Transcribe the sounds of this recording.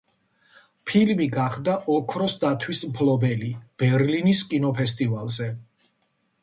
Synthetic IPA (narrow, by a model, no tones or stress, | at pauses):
pʰilmiɡaχd̪aʔɔkʰɾɔsd̪at̪ʰwismpʰlɔbɛlib̥ɛɾliniskʼinɔpʰɛst̪ʼivalˠzɛ